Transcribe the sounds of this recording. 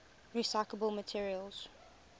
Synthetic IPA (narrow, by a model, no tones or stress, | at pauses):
ɹisaɪkləbəlˠmətʰiəɹiəlˠz̥